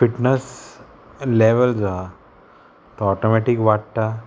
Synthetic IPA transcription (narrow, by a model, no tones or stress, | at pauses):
fiʈnəs | leʋəld͡za | t̪oɔʈomɛʈikʋaʈ̚t̪a